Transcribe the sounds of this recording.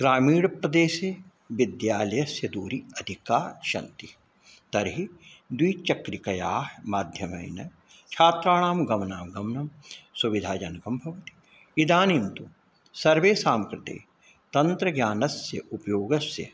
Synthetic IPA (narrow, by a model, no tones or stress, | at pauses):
ɡ̥ɾaːmiːɽpɾɐd̪eːse | ʋɪd̪jaːlɐjɐsjɐd̪uːɾiɐd̪ʱikaːʃɐ̰nt̪i | t̪ɐɾɦid̪wiːt͡ʃɐkɾikɐjaːɦmaːd̪ʱjɐmɐ̰jnɐ | t͡ʃʰaːt̪ɾaːɳaːmɡɐmnaːmɡɐmnɐmsuʋid̪ʱaːd͡ʒɐnɐkɐmbʱɐʋɐt̪i̥ | id̪aːnimt̪u | sɐɾʋeːsaːmkɾɪt̪ḛː | t̪ɐnt̪ɾɐɡjaːnɐsjɐ̰ʔupjoːɡɐsjɐ̰